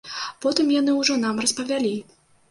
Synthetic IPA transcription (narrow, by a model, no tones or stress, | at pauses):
pɔt̪ɨmjan̪ɨwʐɔnamrɐspɐvʲalʲi